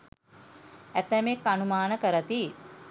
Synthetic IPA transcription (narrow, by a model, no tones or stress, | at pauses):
æt̪æmekːanumaːnəkəɾət̪iː